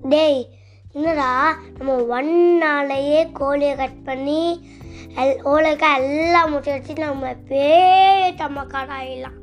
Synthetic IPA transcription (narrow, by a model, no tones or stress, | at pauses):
ɖej | ɪnːɐd̪aːnɐmːɐʋɐnnaːlɐjeːkoːlɪjɐkɐʈ̚pɐɳːi | ɛoːlɐkːaɛlːaːmʊʈːɐɽt͡ʃːinɐmːɐpeːt̪ɐmːɐkːaːɽaːjɪlːãː